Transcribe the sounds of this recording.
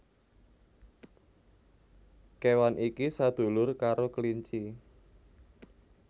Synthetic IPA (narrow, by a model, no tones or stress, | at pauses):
kewanʔikisad̪̥o̤lʊrkaɾokəliɲt͡ʃi